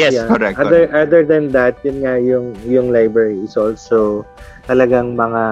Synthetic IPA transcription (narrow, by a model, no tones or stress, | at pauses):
jɛjaoɾɛʔad̪ɛɹʔad̪ɛɹd̪ɐnd̪ɐt̪̚jʊnŋajʊŋjʊŋlajbɹɛɹiɪsolt̪so | t̪ɐlɐɡaŋmɐŋa